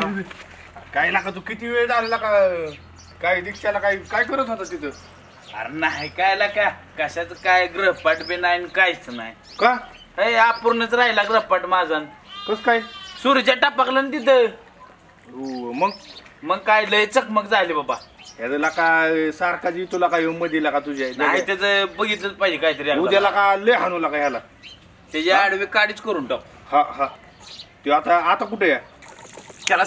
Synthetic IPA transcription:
kainakat̪̬ukit̪iʋeɭd͡zalelaka | kaɦid̪ikʰɕalakaikajkəɾət̪ɦot̪at̪it̪ə | a̰ɾnaɦikajlakakəɕat͡səkajɡɾəpaʈbenajinkajt͡səna̰j | ka | ɦəjapuɾnət͡sɾajilaɡɾəɦpaʈmad͡zankəskajsuɾid͡ʑaʈapəklənd̪it̪̬ə | oməɡ̚məɡ̚kajləjt͡səkməɡd͡zalibabaɦjat͡səlakasaɾkad͡ʑit̪ulakajeməd̪ʱilakat̪ud͡ʑadnaat̪at͡səbəɡit̪ləpad͡ʑikait̪̬əɾiaud̪jalakaleɦanulakajala | t̪jad͡ʑaaɽʋekaɽit͡skəɾunʈak | hãɦã | t̪iat̪aːt̪ak̬uʈʰeja | t̪jala

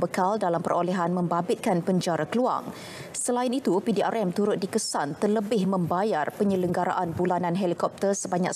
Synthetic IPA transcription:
bəkaldalampərolɛɦanmə̃mbabɪt̪̚kanpəɲd͡ʒaɾakəlua̰ŋ | səlaɪnit̪upidiarʔɛmt̪uɾʊt̪̚dikəsant̪ərləbɪhmə̃mbajarpəɲə̃ləŋɡaɾa̰ʔanbulanãnɦɛlikɔp̚t̪ərsəbaɲak

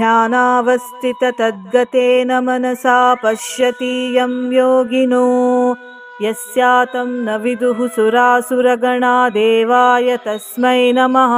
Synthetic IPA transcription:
d̪ʱjaːnaːʋɐst̪ʰit̪ɐt̪ɐd̪̚ɡɐt̪eːnɐmɐnɐsaːpɐʃjɐt̪iːjɐmjoːɡinu | jɐsjaːt̪ɐmnɐʋid̪uɦusuɾaːsuɾɐɡɐɳaːd̪eːʋaːjɐt̪ɐsmɐjnɐmɐɦɐ

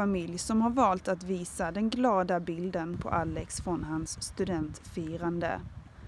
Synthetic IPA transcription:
amɪljsɔmhaɾvɑːlt̪at̪viːsad̪ɛnɡlɑːd̪abɪld̪ənpʰɔ̰ʔalːɛksfɾɔnɦansːt̪ɵd̪ɛnt̪fiːɾand̪ə̰

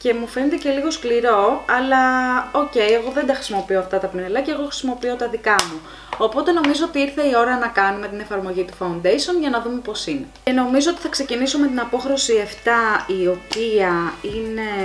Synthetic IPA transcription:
ce̞mufe̞net̪e̞ce̞liɣo̞skliɾo̞ɐlɐo̞ce̞jeɣo̞ðe̞nd̪ɐxɾisimo̞pio̞ɐft̪ɐt̪ɐpinelɐceːɣo̞xɾisimo̞pio̞t̪ɐðikɐmu | opo̞t̪e̞no̞mizo̞ot̪iiɾθe̞io̞ɾɐnɐkɐnume̞t̪ine̞fɐɾmo̞ʝit̪u̥fɐund̪ejsio̞nʝɐnɐðume̞po̞sineeno̞mizoot̪iθɐkse̞ciniso̞me̞t̪̬inɐpo̞xɾosieft̪ɐio̞piɐine̞

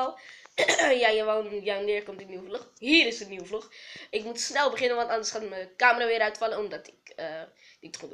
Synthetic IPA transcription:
lˠ | jajaʋanjanɪːɹkɔmtəniwəvluχɦiːɾɪsəniwəvluχɪkmutsnɛlˠbəχɪnənʋɑntɑndəɹsχaːtməkaːməraːʋɪːɾœɥtfɑlənɔmdɑtɪkː | dɪtχut

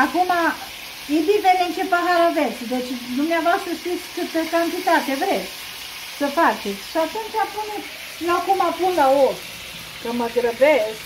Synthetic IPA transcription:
akuma | ibivenent͡ʃepaɦaɾavesd̪et͡ʃʲd̪umneavoast̪ɾəʃt̪it̪sʲkɨt̪əkant̪it̪at̪evɾesʲ | səfat͡ʃet̪sʲʃiat̪unt͡ʃapunut̪ | lakumapunlaos | kəməɡɾəves

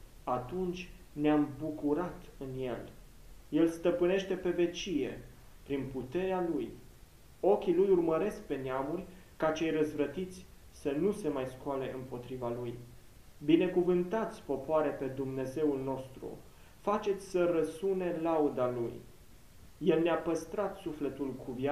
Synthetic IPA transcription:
at̪unt͡ʃʲ | neambukuɾat̪ɨnje̞̰l | je̞lst̪əpɨne̞ʃt̪e̞pe̞ve̞t͡ʃije̞̰ | pɾinput̪e̞ɾealuj | o̞kʲilujurməɾe̞sk̚pe̞neamurʲkat͡ʃe̞jrəzvɾət̪it̪sʲ | sənuse̞majskoale̞ʔɨmpo̞t̪ɾivaluj | bine̞kuvɨnt̪at̪sʲpo̞poaɾepe̞d̪umne̞ze̞ulno̞st̪ɾṵ | fat͡ʃe̞t̪sʲsərəsune̞laud̪alṵj | je̞lneapəst̪ɾat̪sufle̞t̪ulkʰuvja

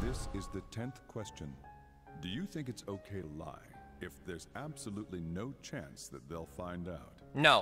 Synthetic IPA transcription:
ðɪsɪzðɨtʰɛ̃nθkʰw̥ɛst͡ʃɨ̃n | dɨjɨθɪ̃ŋkɨtsoʊkʰeɪɾəla̰ɪ | ɨfðə˞zæb̥səlutˡlinoʊt͡ʃʰæ̰̃nsðɨ̰t̪̚ðeɪlˠfãɪ̃ndaʊt̚noʊ

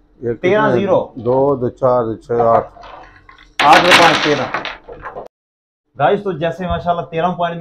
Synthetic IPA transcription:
eːkt̪eːɾãːziːɾoːd̪oːd̪oːt͡ʃaːɾd̪t͡ʃʰeːaʈʰ | aːd̪ɾopãːnːt̪eːɾãː | ɡaːist̪oːd͡ʒɛːseːmaːʃaːlaːt̪eːɾãːuːpaːniː

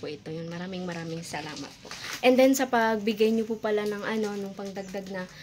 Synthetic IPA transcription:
pʊʔɪt̪o̞jʊnmɐɾaːmɪŋmɐɾaːmɪŋsɐla̰ːmɐ̰t̪̚po̞̰ʔɛnd̪ɛnsɐpɐɡ̚bɪɡajɲopupɐlanɐŋʔɐno̞nʊŋpɐŋd̪ɐɡ̚d̪aɡ̚nɐ

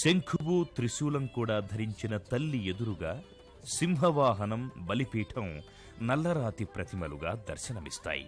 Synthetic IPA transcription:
seŋkʰuɡut̪ɾiʃuːlɐmkuːɽaːd̪ʱɐɾiɲt͡ʃinɐt̪ɐlːied̪uɾuɡaː | simɦɐʋaːɦɐnɐmbɐlipiːʈʰɐm | nɐlːɐɾaːt̪ipɾɐt̪ʰimɐluɡaːd̪ɐ̰ɾʃɐnɐmist̪a̰ːjḭ

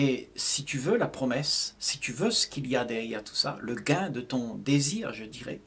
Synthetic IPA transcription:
ɛsit̪yvølapχɔmɛsːit̪yvøsə̥kʲilijad̪ɛʁjɛʁt̪ʰu̥sa̰ləɡɛ̃d̪ət̪ɔ̃d̪eziːʁʒəd̪iʁɛ̰

